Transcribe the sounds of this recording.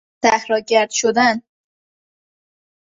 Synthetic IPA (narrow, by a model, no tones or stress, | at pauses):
t̪æhɾɒːɟæɾd̪̥ʃod̪æn